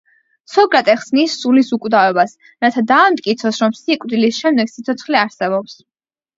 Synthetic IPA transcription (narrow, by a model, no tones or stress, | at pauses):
sɔɡɾat̪ʼɛχsnisulisukʼwd̪avɛbas | ɾat̪ʰad̪aːmt̪ʼkʼit̪sʰɔsɾɔmsikʼd̪ilisʃɛmd̪ɛɡ̥sit̪sʰɔt̪sʰχliaɾsɛbɔps